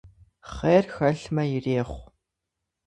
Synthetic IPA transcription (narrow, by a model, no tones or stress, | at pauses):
χeːrxɐɬmɐjɪreːχʷ